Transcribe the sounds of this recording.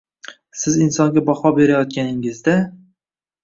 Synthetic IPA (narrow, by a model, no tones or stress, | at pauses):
sɪzɪnsɒŋɡʲabɒfɒbe̞ɾajɒt̪̚kʲanɪŋɪzd̪a